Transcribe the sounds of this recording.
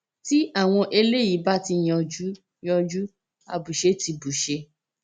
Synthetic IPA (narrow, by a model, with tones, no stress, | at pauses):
ti˦a˦˨w̃ɔ̃˧ʔe˧le˦ji˨˦ba˦ti˧j̃ɔ̃˨˧˨d͡ʒu˦ | j̃ɔ̃˧d͡ʒu˦ | a̰˧bu˨ʃe˧˦ti˧bu˨ʃe˧